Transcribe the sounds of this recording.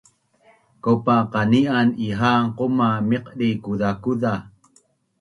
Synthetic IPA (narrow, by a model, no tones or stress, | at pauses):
kopaqaniʔaniɦaqomamiqɗikuðakuða